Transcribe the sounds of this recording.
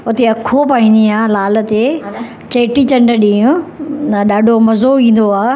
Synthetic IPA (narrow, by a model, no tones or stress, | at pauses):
ʊt̪eɐkʰːopaːĩn̆d̪iaːlaːlə̆t̪e | t͡ɕeːʈit͡ɕɐ̃ɳɖəɗĩːʊ̃nɐɗaːɖʱomɐzoĩːn̆d̪oaː